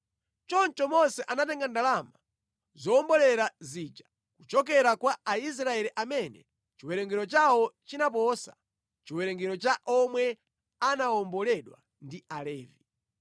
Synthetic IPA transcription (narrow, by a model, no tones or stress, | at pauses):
t͡ʃɔnt͡ʃɔmɔnsɛʔanatɛŋɡandalama | zɔːmbɔlɛɾazid͡ʒa | kut͡ʃɔk̬ɛɾakwaais̬ɾaɛliʔamɛnɛ̰ | t͡ʃiwɛɾɛŋɡɛɾɔt͡ʃawɔt͡ʃinap̬ɔsḁ̰ | t͡ʃiwɛɾɛŋɡɛɾɔt͡ʃaʔɔmwɛ | anaɔmbɔlɛɗwa̰ | ndialɛːvi